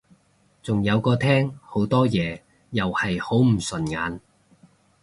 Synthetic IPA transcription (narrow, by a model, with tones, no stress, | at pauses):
t͡sʊ˨ŋjɐ˨˧wkɔː˧t̪ʰɛː˥ŋho˨˥wt̪ɔː˥jɛː˨˧ | jɐ˨whɐ˨jho˨˥wm̩˨˩sɵ˨nŋaː˨˥n